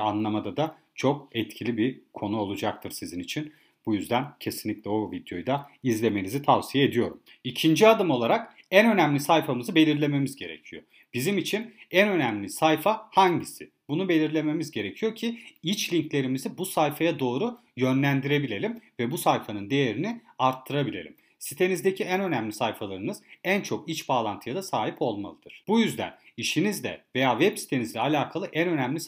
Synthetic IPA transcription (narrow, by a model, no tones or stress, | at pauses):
anlˠamad̪ad̪a | t͡ʃʰo̞k̚ɛt̪cʰilʲibikʰo̞nuo̞lˠud͡ʒak̚t̪ʰɯɾsizinit͡ʃʰin | bujyzd̪æncʰe̞sinlʲicʲlʲɛo̞vid̪jo̞̰jd̪aizlʲe̞me̞nizit̪ʰavsijaed̪ijo̞ɾum | icʰind͡ʒiad̪ɯmo̞lˠaɾak | ænø̞næmlʲisajfamɯzɯbe̞lʲiɾlʲe̞me̞mizɟe̞ɾe̞̰cʰijo̞̰ | b̥izimit͡ʃʰinænø̞næmlʲisajfahaɲɟisɪ̰ | bunube̞lʲiɾlʲe̞me̞mizɟe̞ɾecʰijo̞cʰiit͡ʃlʲiɲclʲe̞ɾimizibusajfajad̪o̞ːɾu | jø̞nlʲænd̪iɾe̞bilʲe̞lʲimvɛbusajfanɯnd̪e̞jeɾinɪ | aɾt̪ʰːɯɾabilʲe̞̰lʲḭm | sit̪ʰe̞nizd̪ecʰiænø̞næmlʲisajfalˠaɾɯnɯz̥ænt͡ʃʰo̞kit͡ʃbaːlˠant̪ʰɯjad̪asaːɦipʰo̞lˠma̰lˠɯd̪̥ɯɾ̥b̥ujyzd̪æ̰niʃinizlʲɛ̰ve̞jaːvɛbsi̥t̪ʰe̞nizlʲɛalʲaːkʰalˠɯʔænø̞næmlʲis